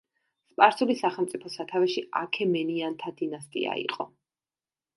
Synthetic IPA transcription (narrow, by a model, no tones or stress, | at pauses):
spʼaɾsulisaχɛlˠmt̪sʼipʰɔsat̪ʰavɛʃia̰kʰɛmɛniant̪ʰad̪inast̪ʼḭa̰ḭqʼɔ